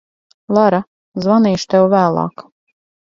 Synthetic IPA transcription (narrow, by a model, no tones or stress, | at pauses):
lˠaɾa | zvaniːʃt̪ɛwvæːlˠɑ̰ːk